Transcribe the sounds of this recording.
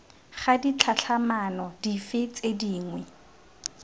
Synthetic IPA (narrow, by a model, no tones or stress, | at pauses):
χadit͡ɬʰat͡ɬʰamanɔdifɪt͡sʼediːŋwɛ